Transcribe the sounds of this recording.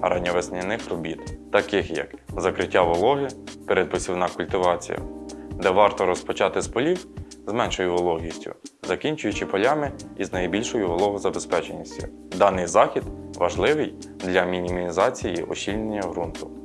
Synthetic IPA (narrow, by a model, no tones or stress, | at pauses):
ɐɾɐnʲːɔʋesnʲɪnɪxrɔbʲit̪ːɐkɪxjɐ̰kzɐkɾɪtʲːaʋɔlˠɔɦɪpeɾed̪̚pɔsʲiwnɑkʊlʲt̪ɪʋɑt͡sʲḭjɐ̰d̪ɛʋɑrt̪ɔɾɔspɔt͡ʃɑt̪ɪspɔlʲiw | zmɛnʃɔjʊʋɔlˠɔɦʲisʲtʲʊ̰zɐkʲinʲt͡ʃʊjʊt͡ʃɪpɔlʲɑmɪiznɐjbʲilʲʃɔjʊʋɔlˠɔɦɔzɐbespɛt͡ʃenʲːisʲtʲʊ | d̪ɑnɪjzɑxʲid̪ʋɐʒlˠɪʋɪj | d̪lʲɐmʲinʲimimʲizɑt͡sʲijḭʔɔʃʲilʲnenʲːɐɦɾunt̪ʊ̥